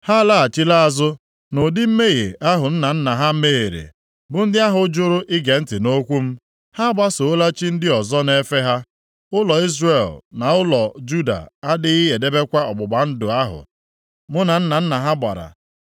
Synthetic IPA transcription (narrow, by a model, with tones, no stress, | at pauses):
ha˦la˦˨a˨t͡ʃi˦la˦a˨zʊ˦ | no˨dɪ˦m̩˦me˦ɣḛ˨a˦ɦʊ˨n̩˦na˨n̩˦na˨ɦa˦me˦e˨ɾḛ˨ | bʊ˨n̩˦dɪ˦a˦ɦʊ˨˦d͡ʒʊ˦ɾʊ˦ʔɪ˦ɡe˨n̩˦tɪ˨no˦kʷu˦m̩˦ | ha˦ba˦so˨˦la˦t͡ʃi˦n̩˦dɪ˦ɔ˨zɔ˦ne˦fe˦ɦa˦ | ʊ˦lɔ˨i˦zre˨lna˨ʊ˦lɔ˨d͡ʒu˦da̰˨a˦dɪ˦ɣɪ˦je˨de˦be˦kʷa˦ɔ˨ɡ͡bʊ˨ɡ͡ba˨n̩˦dʊ˨a˦ɦʊ̰˨ | mʊ˦na˨n̩˦na˨n̩˦na˨ɦa˦ba̰˨ɾa̰˨